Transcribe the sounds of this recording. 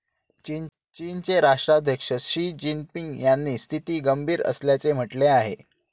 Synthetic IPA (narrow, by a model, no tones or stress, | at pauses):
t͡ɕi | t͡ɕiːnt͡seɾaʂʈɾad̪ʱjəkʂəɕiːd͡ʑimpiŋɡjanːiːst̪ʰit̪iːɡəmbʱiːɾə̰sljat͡sem̤əʈleaɦe